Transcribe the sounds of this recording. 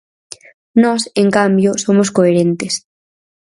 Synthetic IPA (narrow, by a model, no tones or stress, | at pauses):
nɔseŋkambjosomoskoeɾent̪es